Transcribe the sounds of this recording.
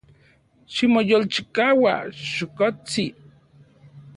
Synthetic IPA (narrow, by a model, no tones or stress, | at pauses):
ʃimojolt͡ʃi̥kawa̰ʃokot͡si